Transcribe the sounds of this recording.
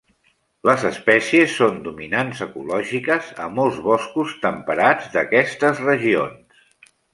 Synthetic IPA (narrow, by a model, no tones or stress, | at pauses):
ləzəspɛsiəsːond̪uminanzəkulɔʒikəzəmolˠzβɔskust̪əmpəɾad͡zd̪əkɛst̪əzrəʒions